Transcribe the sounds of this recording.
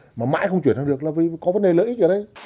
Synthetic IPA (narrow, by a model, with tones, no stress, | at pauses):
maː˨˩ma̰ː˧˥jxə˧wŋ͡mt͡ɕwi˧˩ntʰa˧ɗɨ˨˩ək̚laː˨˩vi˨˩˨kɔ˨˦və˨˦nɗe˨˩ləː˧˥ʔi˦˥ʔə˧˩ɗə˧j